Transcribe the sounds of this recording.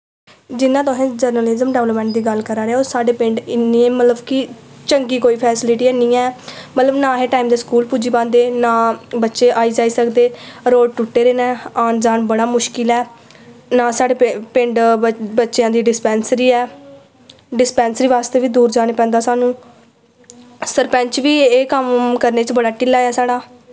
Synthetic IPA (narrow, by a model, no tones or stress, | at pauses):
d͡ʒɪnːãːt̪ʊɦẽːd͡ʒəɾnəlɪzəmɖɛːʋləpmɛ̃ːɳʈd̪iːɡəlkəɾaːɾeaːoːsaːɖeːpɪ̃ɳɖɪnːiẽːmət̪ləbkɪ | t͡ʃəŋɡiːkoːiːpʰɛːsɪlɪʈiːɛːnĩːɛːmət̪ləbnaːɦeːʈaːimd̪eːskuːlpuːd͡ʒiːbãːnd̪eːnãːbətːʃeːʔaːiːd͡ʒaːiːsəkd̪eːɾoːɖ̚ʈʊʈːeːɾeːnɛ̃ːaːnd͡ʒaːnbəɽaːmʊʃkɪlɛː | naːsaːɽeːpɪ̃ɳɖbətːʃejãːd̪iːɖɪspɛːnsɾiːɛː | ɖɪspɛ̃ːnsəɾiːʋaːst̪eːʋiːd̪uːɾd͡ʒaːɽ̃eːpɛ̃ːnd̪aːsaːnũː | səɾpɛ̃ːɲt͡ʃʋiːeːkəmkəɾneːt͡ʃbəɽaːʈɪlaːjaːsaːɽaː